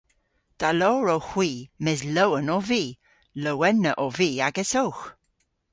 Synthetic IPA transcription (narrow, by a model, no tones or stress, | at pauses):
d̥aloːɹowxw̥iːmɪzləwənɔviː | ləwɛnəʔɔviːaɡɛsowx